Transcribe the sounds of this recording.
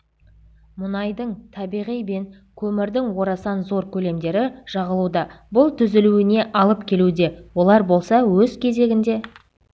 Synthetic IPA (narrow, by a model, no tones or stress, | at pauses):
mʊnɑjd̪əɴt̪ʰɑbijʁijbe̞n | kʲʰɵmɪɾd̪ɪŋwo̞ɾɑsɑnzo̞ɾkʲʰɵle̞md̪e̞ɾɪʒ̥ɑʁəlˠud̪ɑbʊlˠt̪ʰʏzɪluɪne̞ʔɑlˠəpkʲʰe̞lud̪e̞wo̞lˠɑɾbo̞lˠsɑwɵzkʲʰe̞ze̞ɡʲɪnd̪e̞